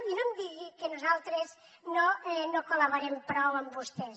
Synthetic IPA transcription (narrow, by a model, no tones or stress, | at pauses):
inomd̪iɣikənuzalˠt̪ɾez | noɛnokulaβoɾɛmpɾɔwəmbust̪ɛs